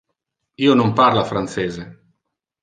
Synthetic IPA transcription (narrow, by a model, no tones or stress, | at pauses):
iːonomparlafɾant̪seːze